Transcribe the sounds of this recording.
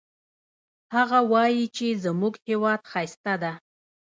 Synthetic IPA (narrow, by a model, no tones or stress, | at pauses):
haɣawɑjit͡ʃezəmuɡhewɑd̪xajst̪ad̪a